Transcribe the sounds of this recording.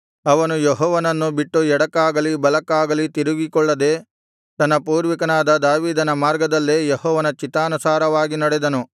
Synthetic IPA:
ɐʋɐnujeɦɔːʋɐnɐnːubiʈːuɛɽɐkːaːɡɐlibɐlɐkːaːɡɐlit̪iɾuɡikɔɭːɐd̪eː | t̪ɐnːɐpuːɾʋikɐnaːd̪ɐd̪aːʋiːd̪ɐnɐmaːɾɡɐd̪ɐlːejehɔːʋɐnɐt͡ʃit̪ːaːnusaːɾɐʋaːɡinɐɽɛd̪ɐnu

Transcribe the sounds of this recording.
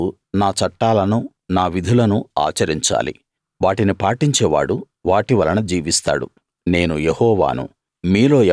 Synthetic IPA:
naːt͡ʃɐʈːaːlɐnu | naːʋid̪ʱulɐnua̰ːt͡ʃɐɾiɲt͡ʃa̰ːlḭ | ʋaːʈinipaːʈiɲt͡ʃɛːʋa̰ːɽu | ʋaːʈiʋɐlɐnɐd͡ʒiːʋist̪a̰ːɽṵ | ne̞ːnujehɔːʋa̰ːnṵ | miːlo̞ː

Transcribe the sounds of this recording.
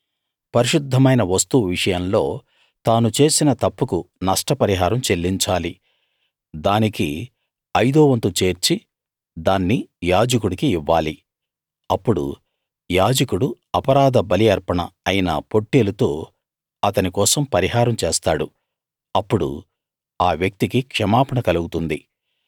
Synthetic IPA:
pɐɾiʂud̪ʱːɐmɐjnɐʋɐst̪uʋiʂɐjɐmlo̞ː | t̪aːnut͡ʃe̞ːsinɐt̪ɐpːukunɐʂʈɐpɐɾiɦaːɾɐmt͡ʃe̞lːiɲt͡ʃaːli | d̪aːniki | ɐjd̪oːʋɐnt̪ut͡ʃe̞ːɾt͡ʃi | d̪aːnːijaːd͡ʒɐkuɽikiːʋːaːli | ɐpːuɽṵ | jaːd͡ʒɐkuɽu | ɐpɐɾaːd̪ɐbɐlijɐɾpɐɳɐ̰ːjinɐ̰po̞ʈːeːlut̪o̞ː | ɐt̪ɐnikɔːsɐmpɐɾiɦaːɾɐmt͡ʃeːst̪aːɽu | ɐpːuɽṵ | aːʋjɐk̚t̪ikikʂɐmaːpɐɳɐkɐluɡut̪und̪i

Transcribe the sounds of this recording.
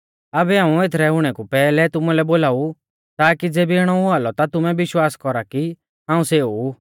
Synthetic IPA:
abɛɦãːũet̪ʰɾɛʊɽ̃ɛkupɛːlɛt̪ʊmulɛboːlaːu | t̪aːkid͡zeːbieɽ̃ɔuaːlɔt̪at̪ʊmɛbɪʃwaːskɔɾaki | ɦãːũseːu

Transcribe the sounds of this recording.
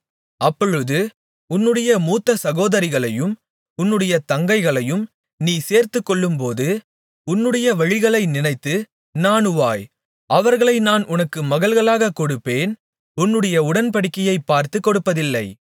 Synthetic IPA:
ɐpːɔɻɯðɯ | ʊnːɯɽɐjɐmuːt̪ːɐsɐɣoːðɐɾɪɣɐɭɐjɯm | ʊnːɯɽɐjɐt̪ɐŋɡɐɪɣɐɭɐjɯm | niːseːɾt̪ɯkːɔɭːɯmpoːðɯ | ʊnːɯɽɐjɐʋɐɻɪɣɐɭɐɪnɪnɐɪt̪ːɯ | naːnɯʋaːj | ʔɐʋɐɾɣɐɭɐɪnaːnʔʊnɐkːɯmɐɣɐɭɣɐɭaːɣɐkɔɽɯpːeːn | ʊnːɯɽɐjɐʊɽɐnpɐɽɪkːɐjɐɪpːaːɾt̪ɯkːɔɽɯpːɐðɪlːɐɪ

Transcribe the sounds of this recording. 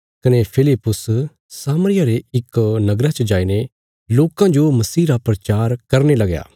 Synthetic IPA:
kɐnepʰɪlɪpːʊs | saːmɾɪjaɾeɪknɐɡɾat͡ʃɐd͡ʒaːine | loːkãd͡ʒomɐsiːɾapɾɐt͡ʃaːɾkɐɾnelɐɡja̰ː

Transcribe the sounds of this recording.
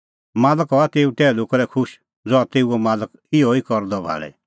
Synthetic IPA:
maːləkɦɔat̪eːuʈ̪ɛːlʊkɾɛkʰʊʃ | d͡zɔat̪eːuɔmaːlək | ɪɔikɔɾd̪ɔbʱa̰ːɭɛ̰

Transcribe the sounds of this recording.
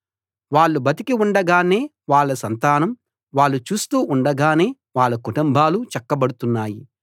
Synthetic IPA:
ʋaːɭːubɐt̪ikiuɳɖɐɡaːne̞ː | ʋaːɭːɐsɐnt̪aːnɐm | ʋaːɭːut͡ʃuːst̪uːʔuɳɖɐɡaːne̞ː | ʋaːɭːɐkuʈumbʱaːlut͡ʃɛkːɐbɐɽut̪unːaːji

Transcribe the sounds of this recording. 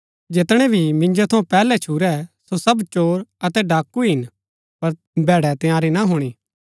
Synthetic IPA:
d͡ʒɪt̪ɽ̃ɛbʱimɪ̃ɲd͡ʒot̪ʰɐũpɛːlɛt͡ʃʰuːɾɛsosɐbt͡ʃoːɾɐt̪ɛɖaːkːuɦɪn | pɐɾ | bɛːɽɛt̪ɪjaːɾinɐɦʊːɽ̃iː

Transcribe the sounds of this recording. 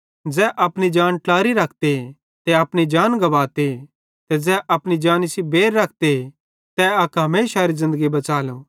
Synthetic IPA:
d͡ʒɛːʔɐpñid͡ʒaːnʈlaːɾiɾɐkʰt̪e | t̪ɛɐpɽid͡ʒaːnɡɐʋaːt̪e | t̪ɛd͡ʒɛːʔɐpɽ̃id͡ʒaːnɪsibeːɾːɐk̚ʰt̪e | t̪ɛɐkɦɐmeːʃaɾizɪ̃nd̪əɡibɐt͡ʃaːlõː

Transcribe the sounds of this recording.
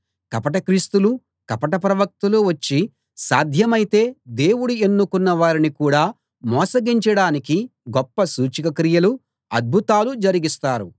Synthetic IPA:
kɐpɐʈɐkɾiːst̪ulu | kɐpɐʈɐp̬ɾɐʋɐk̚t̪uluʋɐt͡ʃːi | saːd̪ʱjɐmɐjit̪e̞ːd̪eːwuɽue̞nːukunːɐʋaːɾinikuːɽaː | mɔːsɐɡiɲt͡ʃɐɽaːnikiɡɔpːɐsuːt͡ʃikɐkɾijɐlu | ɐd̪̚bʱut̪aːlud͡ʒɐɾiɡist̪aːɾu

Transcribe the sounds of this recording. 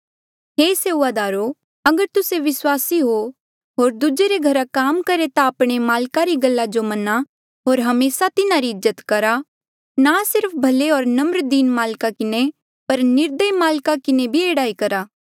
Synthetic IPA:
ɦeːseːuʋaːd̪aːɾo | ɐɡəɾt̪ʊseʋɪswaːsiɦo | ɦoːɾd̪ud͡ʒeɾeɡʱɐɾakaːmkɐɾet̪ãːpɽ̃emaːlkaɾiɡɐlːad͡ʒomɐna | ɦoːɾɦɐmeːsat̪ɪnaɾiɪzːət̪kɐɾa | nasɪɾpʰbʱɐleɦoːɾnɐmɾd̪iːnmaːlkakɪne | pɐɾnɪɾd̪əimaːlkakɪnebʱieːɽaːikɐɾaː

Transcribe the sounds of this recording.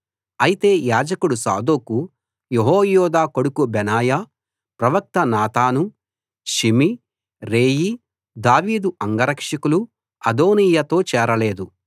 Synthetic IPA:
ɐjit̪e̞ːjaːd͡ʒɐkuɽusa̰ːd̪oːku | jeɦɔːjɔːd̪aːko̞ɽukubɛnaːja | pɾɐʋɐk̚t̪ɐnaːt̪aːnu | ʃimi | ɾeːji | d̪aːʋiːd̪uʔɐŋɡɐɾɐkʂɐkulu | ɐd̪o̞ːniːjɐt̪o̞ːt͡ʃɛːɾɐle̞ːd̪u

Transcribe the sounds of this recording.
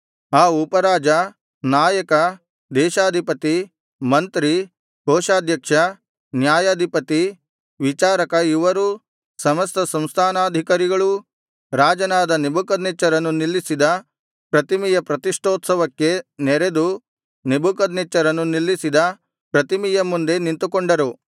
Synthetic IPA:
aːupɐɾaːd͡ʒɐ | naːjɐkɐ | d̪ɛːʃaːd̪ʱipɐt̪i | mɐnt̪ɾi | ɡʱɔːʃaːd̪ʱjɐkʂɐ | njaːjaːd̪ʱipɐt̪i | ʋit͡ʃaːɾɐkɐiʋɐɾu | sɐmɐst̪ɐsɐmst̪ʰaːnaːd̪ʱikɐɾiɡɐɭu | ɾaːd͡ʒɐnaːd̪ɐnebukɐd̪nɛt͡ʃɐɾɐnːunilːisid̪ɐ | pɾɐt̪imijɐpɾɐt̪iʂʈoːt̪sɐʋɐkːe̞nɛɾed̪u | nebʱukɐd̪nɛt͡ʃːɐɾɐnːunilːisid̪ɐ | pɾɐt̪imijɐmːund̪e̞nint̪ukoɳɖɐɾu

